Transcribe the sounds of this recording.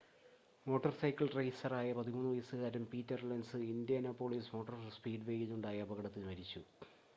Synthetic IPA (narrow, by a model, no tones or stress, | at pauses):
mo̞ːʈːɐrsɐjkːɐɭʈrɐjsɐraːjɐpɐðimuːnːɨʋɐjɐsɨɣaːɾɐmpiːtːɐrlɐnsɨind̪jɐnɐpːoːɭiːsmo̞ːʈːɐrspiːɖɨʋe̞ːjinːuɳɖaːjɐːbɐɣɐɽɐt̪ːinmɐɾit͡ɕːu